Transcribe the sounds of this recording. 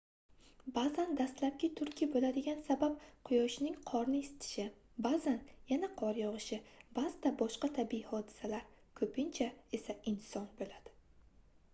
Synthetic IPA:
bazand̪ast̪lap̚kʲɪt̪ʰʊɾkʲʰibolad̪ɪɡʲansabap̚qʰʊjɒʃnɪŋqʰɒɾnɪesɪ̥t̪ʰɪ̥ʃɪ | bazanjanaqʰɒɾjɒʁɨʃɪbazɪt̪ʰabɒʃqɑt̪ʰabɪihɒd̪ɪ̥salaɾ | kʰɵpʰɪnt͡ʃʰae̞saɪnsɒnbolad̪̥ɪ

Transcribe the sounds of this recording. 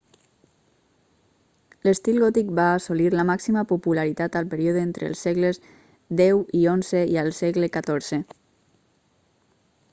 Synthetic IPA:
ləst̪ilˠɣɔt̪ik̚baːsoliɾləmaksiməpupulaɾit̪at̪əlˠpəɾioðent̪ɾʔḛlˠsɛɣləz | d̪ɛwionzəiəlˠsɛɣləkat̪oɾz̥e

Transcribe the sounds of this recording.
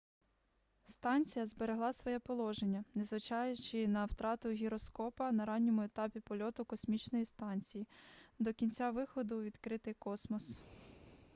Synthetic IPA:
st̪ɑnʲt͡sʲijɐzbeɾeɦlˠɑsʋɔjɛpɔlˠɔʒenʲːɐnezʋɪt͡ʃɑjʊt͡ʃɪnɐwt̪ɾɑt̪ʊɦʲiɾɔskɔpɐnɐɾɑnʲːɔmʊet̪ɑpʲipɔlʲɔt̪ʊkɔsʲmʲit͡ʃnɔjist̪ɑnʲt͡sʲijid̪ɔkʲinʲt͡sʲaʋɪxɔd̪ʊʋʲid̪kɾɪt̪ɪjkɔsmɔs

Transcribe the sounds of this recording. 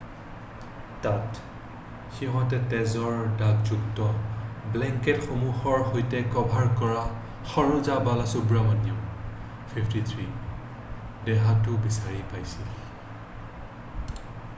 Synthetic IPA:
tat | xiɦɔ̃tɛtɛzɔɹdakzuktɔblɛŋkɛtxomuxɔɹɦojtɛkɔbʱaɹkɔɹa | xɔɹuzabalasubɹamanjɔ | pʰipʰtit̪ʰɹi | dɛɦatʊbisaɹipajsil

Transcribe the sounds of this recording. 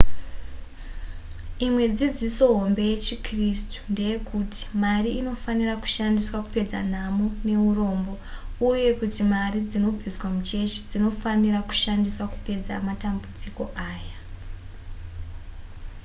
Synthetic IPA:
imwe̞d͡zid͡ziso̞ɦo̞mbe̞je̞t͡ʃikristu̥nde̞jekuti̥mariːno̞faniraku̥ʃandiswaku̥pe̞d͡za̰n̤amune̞uro̞ːmbo̞ | uje̞kutimarid͡zino̞b͡viswamut͡ʃe̞t͡ʃi̥d͡zino̞faniraku̥ʃandiswaku̥pe̞d͡za̰matambud͡ziko̞ʔaːja

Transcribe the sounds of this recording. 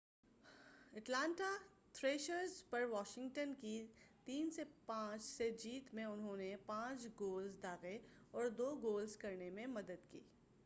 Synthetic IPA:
ɛʈlãːɳʈa | t̪ʰɾeːʃəɾzpɐɾʋaːʃɪ̃ŋɡʈənkit̪iːnsepãːt͡ʃsed͡ʒiːt̪mẽʊnɦõnepãːt͡ʃɡoːlzd̪aːɣeɔːɾd̪oːɡoːlzkɐɾnemẽmɐd̪əd̪kḭː

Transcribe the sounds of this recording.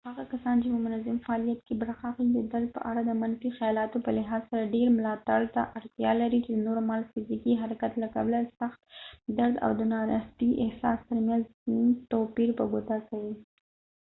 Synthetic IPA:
haɣakasɑnt͡ʃepəmʊnazamfaɑlijat̪kebaɾaxɑxid̪əd̪aɾd̪̚pə̰ʔaɽad̪əmanfixajɑlɑt̪opəlɪɦɑzsaɾaɖeɾmʊlɑt̪aɽt̪aʔaɽt̪jɑ̰laɾit͡ʃed̪ənoɾmɑlfɪzikiɦaɾakat̪laka̰blasaxt̪d̪aɾd̪a̰wd̪ənɑɾaht̪iʔɪhsɑ̰st̪əɾmjanznt̪opiɾpəɡot̪akawi

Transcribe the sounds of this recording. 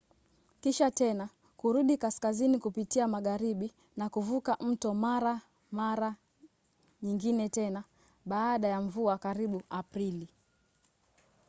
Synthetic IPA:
kiʃatɛna | kuɾuɗikaskazinikupitiamaɠaɾiɓi | nakuvukaʔm̩tɔmaɾa | maɾa | ɲiŋɡinɛtɛna | ɓaːɗajaɱvuakaɾiɓuʔapɾili

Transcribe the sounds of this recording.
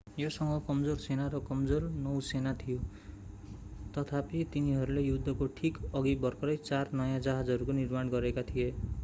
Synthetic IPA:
josʌŋɡʌkʌmd͡zorsenaɾʌkʌmd͡zornʌwsenat̪ʰijo | t̪ʌt̪ʰapit̪iniɦʌɾulejud̪ʱːʌkoʈʰikʌɡibʌrkʌɾʌjt͡sarnʌjãd͡zaɦad͡zɦʌɾukonirmaɽɡʌɾekat̪ʰije

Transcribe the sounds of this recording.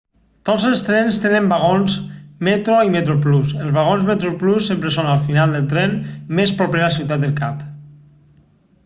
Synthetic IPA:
t̪ozəlˠst̪ɾɛnst̪enəmbaɣonzmet̪ɾoimet̪ɾoplusəlzβaɣonzmet̪ɾoplusːempɾesonalˠfinalˠd̪əlˠt̪ɾɛnmespɾɔpɾeasiwt̪at̪̚d̪əlˠkap

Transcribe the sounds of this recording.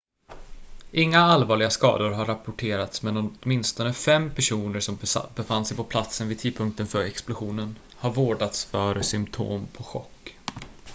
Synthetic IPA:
ʔɪŋːaalvɑːɭɪɡaskɑ̰ːd̪ʊɾɦaɾːapʊʈʰeːɾat̪smɛnɔt̪mɪnst̪ɔnəfɛmpʰæʂuːnəɾʂɔmbɛfand̪sɛjpɔpʰlat̪sənvɪd̪tʰiːd̪̚pʰɵŋk̚t̪ənfœɾɛksplʊɧuːnən | haɾvoːɖat̪sfœɾsʏmt̪ʰo̰ːmpʰɔɧɔ̰kː

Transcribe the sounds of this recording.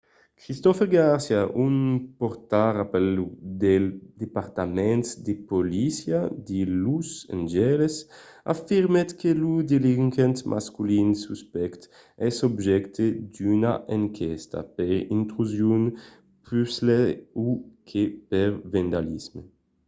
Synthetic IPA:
kɾist̪ɔfeɾɡaɾsjaʔunpoɾt̪aɾapɛlud̪eld̪epaɾt̪amɛnt̪d̪epolisjad̪ilusḛnd͡ʒɛlesa̰fiɾmet̪kʰelud̪eliŋkent̪mʔa̰skulinsuspɛkt̪ | ɛsobʒɛkt̪ed̪yna̰ʔeŋkʰɛst̪a̰peɾint̪ɾuzjun | pysleukʰepeɾvend̪alizme

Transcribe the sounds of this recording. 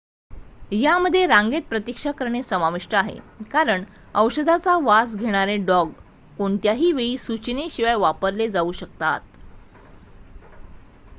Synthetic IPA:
jaməd̪ʱːjeɾaŋɡet̪̚pɾət̪ikʂakəɾɳesəmaʋiʂʈəaɦḛ | kaɾəɳ | əwɕəd̪ʱat͡saʋasɡʱeɽ̃aɾeɖɔɡ | koɳt̪jaɦiːʋeiːsut͡ɕneɕiʋajʋapəɾled͡zauːɕəkt̪a̰t̪̚

